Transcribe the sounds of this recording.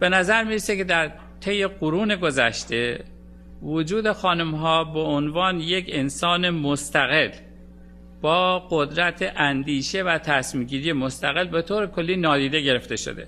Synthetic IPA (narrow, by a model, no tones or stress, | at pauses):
b̥e̞næzæɾmiɾesekʰe̞d̪æɾ | t̪ʰe̞jːe̞ɡoɾuːne̞ɡo̞zæ̰ʃt̪e̞ | vod͡ʒuːd̪e̞xɒːnumɦɒːbeonvɒːnje̞cʰensɒːnemost̪æɣe̞l | b̥ɒːɡ̥od̪ɾæt̪ʰeʔænd̪iːʃe̞væt̪ʰæsmiːmɟiːɾije̞most̪æɣe̞lbe̞t̪ʰoːɾekʰo̞lːiːnɒːd̪iːd̪eɟe̞ɾe̞ft̪e̞ʃo̰d̪e̞̰